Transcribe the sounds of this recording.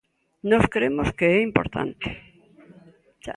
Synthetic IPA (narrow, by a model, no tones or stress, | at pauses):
noskɾemoskeɛimpo̰ɾt̪a̰nt̪e̥ | t͡ʃa